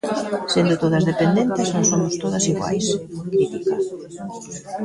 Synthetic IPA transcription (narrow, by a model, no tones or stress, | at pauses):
send̪ʊt̪oð̞ɐzðepend̪ent̪ɪznõŋsomʊst̪oð̞ɐsiɣwa̰jskɾit̪ika